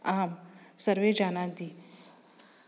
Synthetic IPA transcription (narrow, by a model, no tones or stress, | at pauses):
aːmsəɾʋed͡ʒaːnãd̪i